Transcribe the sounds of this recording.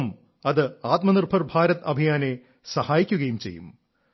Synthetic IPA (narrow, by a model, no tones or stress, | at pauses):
m | ɐðɨaːt̪̚mɐnirbʱɐrbʱaːɾɐt̪ɐbʱijaːne | sɐhaːjikʲːuɣɐjumt͡ɕe̞̰jːṵm